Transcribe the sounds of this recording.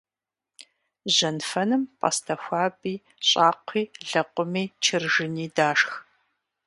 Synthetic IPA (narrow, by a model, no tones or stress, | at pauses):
ʒɐnfɐnɨmpʼa̰stʰɐxʷɑːbiː | ɕʼaːqʷʰiːɮɐqʷʊmiːt͡ʃʰɪrʒɪniːdaːʂx